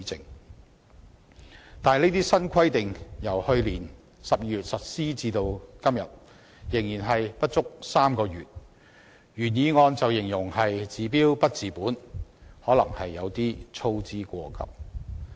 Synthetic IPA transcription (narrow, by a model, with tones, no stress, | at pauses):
i˨˥t͡sɪ˨ŋ | t̪aː˨nle˥t̪̬iː˥sɐ˥nkʰɐ˥jt̪ɪ˨ŋjɐ˨˩whɵ˧ɥliː˨˩n | sɐ˨p̚ji˧yː˨˩t̚sɐ˨t̚siː˥t͡siː˧t̪o˧wkɐ˥mjɐ˨t̚ | jɪ˨˩ŋjiː˨˩nɦɐ˨jpɐ˥t̚t͡sʊ˥k̚saː˥mkɔː˧jyː˨˩t̚ | jyː˨˩njiː˨˧ŋɔː˧nt͡sɐ˨wjɪ˨˩ŋjʊ˨˩ŋhɐ˨jt͡siː˨˧p̬iː˥wpɐ˥t̚t͡siː˨puː˨˥nhɔː˨˥lɐ˨˩ŋhɐ˨jːɐ˨˧wt̪iː˥t͡sʰo˧wt͡siː˧kʷɔː˧kɐ̰˨˥p̚